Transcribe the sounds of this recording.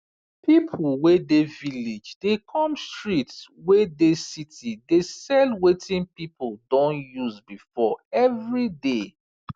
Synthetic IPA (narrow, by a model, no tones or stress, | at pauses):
pipʰl̩ˠwedevilid͡ʒdekʰɔ̃mstɹitswedesitidesɛlwetʰĩnpipldɔ̃njuzbifɔɛvɹide